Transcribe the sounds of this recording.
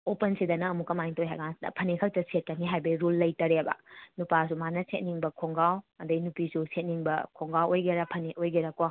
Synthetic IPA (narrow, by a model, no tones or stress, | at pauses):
opɐnsidɐnɐːmukɐmajŋtojɦa̰jɡasɐ̰pʰɐnekʰɐltɐset̚kɐniɦajbɐiɾulːɐjtɐɾebɐ̰nupas̬umanɐset̚niŋbɐkʰoŋɡawɐdɐinupisuset̚niŋbɐkʰoŋɡawojɡeɾɐpʰɐneʔojɡeɾɐko